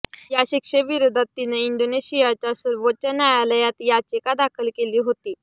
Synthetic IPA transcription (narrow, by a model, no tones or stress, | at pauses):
jaɕikʂeʋiɾod̪ʱat̪ːineiɳɖoneɕijat͡ɕjasəɾʋət͡ɕanjajaləjat̪jat͡ɕekad̪akʰəlkeliːɦot̪iː